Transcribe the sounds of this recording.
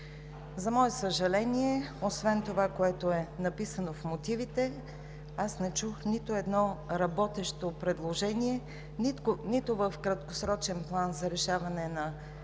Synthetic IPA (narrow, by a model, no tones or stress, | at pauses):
zɐmɔɛsəʒɐlɛniɛosvɛnt̪ovakoɛt̪oɛnɐpisənofmot̪ivit̪ɛ | asnɛt͡ʃuxnit̪oɛd̪nɔɾɐbɔt̪ɛʃt̪opɾɛd̪lˠoʒɛniɛ | ninit̪ovəfkɾɐt̪kosɾɔt͡ʃɛnplˠanzɐɾɛʃavɐnɛnɐ